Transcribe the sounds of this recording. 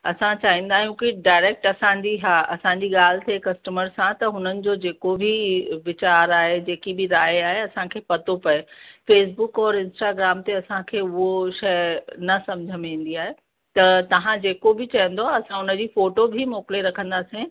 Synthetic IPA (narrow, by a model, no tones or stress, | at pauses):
ɐ̰sãt͡ɕaːɦĩːn̆d̪aːɦijũkiɖaːɪɾeːk̚ʈɐsãɲd͡ʑiɦaːʔɐsãɲd͡ʑiːɠaːl̤ɪt̪ʰekɐsʈəməɾsãt̪ɐɦʊnənɪ̆d͡ʑoːd͡ʑeːkobʱiʋɪt͡ɕaːɾaːɦed͡ʑeːkibɪɾaːjaːɦeɐsãkʰeːpɐt̪opɐefeːs̬bʊkɔːɾɪ̃nsʈaːɡɾaːmt̪eɐsãkʰeːʊɦoʃɐjnɐsɐmd͡ʑʱəmĩːn̆d̪iaːɦe | t̪ɐt̪ɐɦãd͡ʑeːkobʱɪt͡ɕɐɦə̃nd̪oaɐsãʊnəd͡ʑiːfoːʈobʱimɔːkɪleɾɐkʰə̃nd̪aːsẽ